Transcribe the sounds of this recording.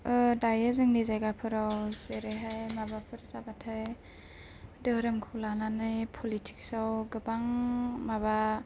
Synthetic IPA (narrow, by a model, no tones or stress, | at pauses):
ɯdajɯzɯŋnizajɡapʰɯɾawzeɾeɦajmabapʰɯɾzabatʰɯj | dɯɾɯmkʰulananɯjpʰɔlitʰi̥ksawɡɯbaŋmaba